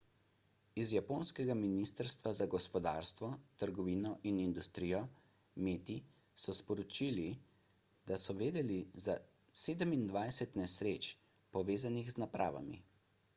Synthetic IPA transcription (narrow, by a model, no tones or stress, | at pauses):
izjapoːnskɛɡaminist̪əɾst̪ʋazaɡɔspɔd̪a̰ːɾst̪ʋɔt̪əɾɡɔʋiːnɔʔinind̪ust̪ɾiːjɔ | meːt̪i | sɔspɔɾɔt͡ʃiːli | d̪asɔʋeːd̪ɛliza | seːd̪əmind̪ʋajsɛt̪nɛsɾeːt͡ʃ | pɔʋeːzanixznapɾʔa̰ːʋa̰mḭ